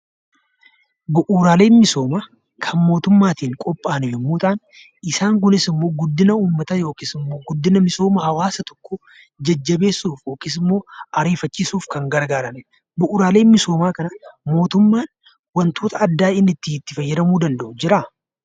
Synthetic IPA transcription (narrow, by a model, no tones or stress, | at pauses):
bʊʔuːɾaːle̞ːnmɪso̞ːmaː | kʰɐnmo̞ːt̪ʊmːaːt̪iːŋkʼɔpʼːaːnʊhɛmːuːt̪ʼaːn | ɪsaːŋkʊnɪsɪmːo̞ːɡʊd̪ːɪnɐuːmːɐt̪ɐjo̞ːkɪsɪmːoːɡʊd̪ːɪnɐmɪso̞ːmɐhɐwaːsɐt̪ɔ̥kːʊ | d͡ʒɐd͡ʒːɐbe̞ːsːuːfjo̞ːkɪs̬ɪmːo̞ːɐɾeːfɐt͡ʃːɪsuːfkɐŋɡɐɾɡaːɾɐnɛ | bʊʔuːɾaːleːnmɪso̞ːmaːkɐnɐmo̞ːt̪ʊmːaːn | wɐnt̪o̞ːt̪ɐɐd̪ːaːɪnːɪt̪ːɪɪt̪ːɪfɐjːɛɾɐmuːd̪ɐnd̪ɐʔʊd͡ʒɪɾa